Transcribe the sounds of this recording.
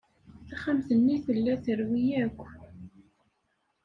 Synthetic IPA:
θaχamθənːiθəlːæθəɾwijækʷː

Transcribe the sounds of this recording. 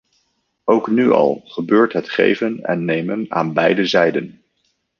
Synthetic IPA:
owknyɑ̰lˠχəbøːɹtɦətχḛjvənɛ̰nːejməna̰ːnbɛjdəzɛjdən

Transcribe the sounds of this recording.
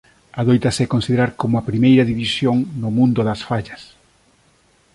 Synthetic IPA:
ɐðojt̪ɐsɛkonsiðeɾaɾkomʊɐpɾimejɾɐðiβisjoŋnʊmũnd̪ʊðɐsfaʎɐs

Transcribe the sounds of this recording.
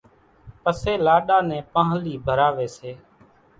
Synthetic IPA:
pəseːlaːɗaːnɛ̃ːpãːɦliːbʱəɾaːʋeːseː

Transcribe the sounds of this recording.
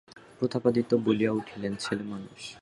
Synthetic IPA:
pɾot̪ʰapad̪it̪obolijauʈʰilent͡ɕʰelemanuʃ

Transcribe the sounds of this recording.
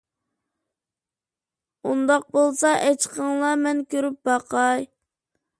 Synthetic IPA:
und̪ɑq̚bolˠsɑʔɛt͡ʃʰqʰəŋlˠɑmɛnkʲøɾyp̚bɑqʰɑj

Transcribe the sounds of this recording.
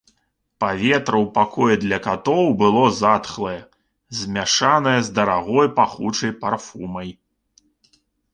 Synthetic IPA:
pavʲɛt̪ɾɐwpakʰɔjɛd̪lʲɐkat̪ɔwbɨlˠɔzat̪xlˠɐjɐ | zʲmʲaʂanɐjɐzd̪ɐɾaɣɔjpaxut͡ʂɐjparfumɐj

